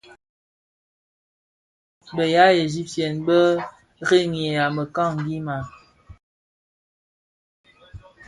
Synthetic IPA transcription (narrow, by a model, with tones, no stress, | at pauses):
bə˨ja˨˦e˨zi˦p̚tjɛ˨nbə˦ | ɣe˦˨ŋ˨ɛ˨a˨mə˨ka˦˨ŋ˨ɡi˦ma˨